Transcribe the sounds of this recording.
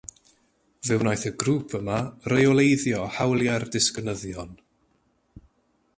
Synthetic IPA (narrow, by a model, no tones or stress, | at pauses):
vɨwnajθəɡruːpʰəmarejɔlˠejðjɔhawlˠjardɪsknəðjɔn